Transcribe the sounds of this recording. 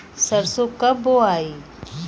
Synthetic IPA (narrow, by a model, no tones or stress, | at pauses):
səɾsokɐboaːi